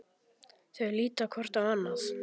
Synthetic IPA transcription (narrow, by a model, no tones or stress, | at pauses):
θœɥliːt̪akʰɔr̥t̪avanːas